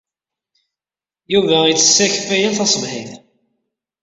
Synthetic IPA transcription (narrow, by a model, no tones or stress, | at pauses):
juvæit͡s̪ːə̥sːæçfæjæθæsˤəvhɪm